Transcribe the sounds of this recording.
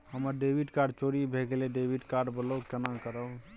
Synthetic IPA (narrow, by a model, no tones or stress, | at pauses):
həməɾɖebʱiɖkaɾɖ̚t͡ʃoɾibʱeɡeleɖebʱiɖkaɾɖbəlokenakəɾə